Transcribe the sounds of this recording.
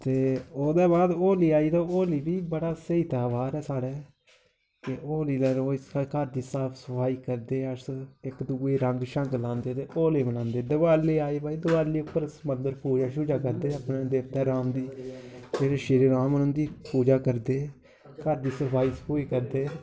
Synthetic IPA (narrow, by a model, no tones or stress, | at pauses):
t̪eːoːd̪ɛːbaːd̪oːliːaːiːt̪aːoːliːbiːbəɽaːseiːt̪aːbaːɾɛːsaːɽɛː | keʔoːliːlaɾoːkəɾd̪iːsaːpʰsəpʰaːiːkəɾd̪eːəɾsɪkd̪uːeːɾəŋɡʃəŋklãːnd̪eːt̪eːʔoːleːbənãːnd̪eːd̪əbaːleːaːiːbaːiːd̪əbaːliːʊpːəɾsmənd̪əɾpuːd͡ʒaːʃuːd͡ʒaːk̬əɾd̪eːəpnẽːd̪eːʋt̪ɛ̃ːɾaːmd̪iːd͡ʒeːɾeːʃɪɾeːɾaːmənə̃nd̪iːpuːd͡ʒaːkəɾd̪eː | kəɾd̪iːsəpʰaːiːsə̥pʰoːiːkəɾd̪eː